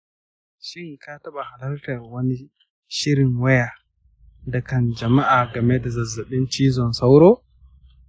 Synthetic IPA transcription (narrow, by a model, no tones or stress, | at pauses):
ʃinkataɓahalaltawoni | ʃiɾinwɛja | ndɛkand͡ʒamaʔaɡamɛdazazːaɓint͡ʃizɔnsawɾɔ